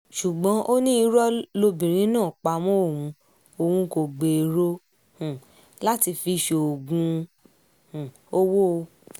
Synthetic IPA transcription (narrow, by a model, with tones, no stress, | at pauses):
ʃu˨ɡ͡bɔ̃˨˦ʔo˦nĩ˦i˧˦ɾɔ˦lo˧bĩ˨ɾ̃ĩ˨˦nãː˦˨k͡pa˧mɔ̃˦o˦˨wũ˨˧˦ | o˨hũ˧ko˨ɡ͡be˨ɾo˦ | hũ˨ | la˦ti˧fi˧ʃe˨o˨ɡũ˧ | hũ˨ | o˦wo˦˧